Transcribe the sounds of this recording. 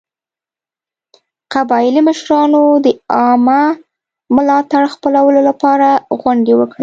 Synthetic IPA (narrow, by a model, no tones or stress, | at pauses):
qabɑjɪliməʃɾɑnod̪əɑma | mʊlɑt̪aɽxpəlawəlolapɑɾaɣwaɳɖewəkɽi